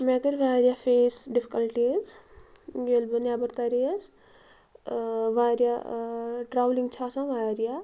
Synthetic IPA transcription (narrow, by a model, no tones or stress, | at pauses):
mɛ̃ɡəɾʲʋaːɾjafeːsɖipʰi̥kɐlʈiz | jelbənabɐɾt̪ɐɾis | ʋaːɾja | ʈɾaːʋliŋɡt͡ʃʰaːsãʋaːɾija